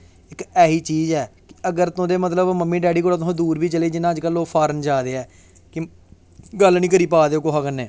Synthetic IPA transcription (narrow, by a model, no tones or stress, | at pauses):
ɪkɛːɦiːt͡ʃiːzɛːkɪəɡəɾt̪õːd̪eːmət̪ləbməmːiːɖɛːɖiːkoːɽaːt̪ʊsãːd̪uːɾbiːt͡ʃəleːd͡ʒɪnãːd͡ʒkəlːõːpʰaːɾənd͡ʒaːd̪eːɛː | kɪ | ɡəlnĩːk̬əɾiːpaːd̪eːoːkoɦaːkənːeː